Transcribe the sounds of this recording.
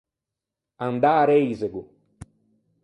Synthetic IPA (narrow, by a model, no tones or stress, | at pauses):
and̪aːɾeizeɡu